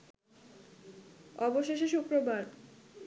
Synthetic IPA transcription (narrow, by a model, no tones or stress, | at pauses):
ɔboʃeʃeʃukɾobʱaɾ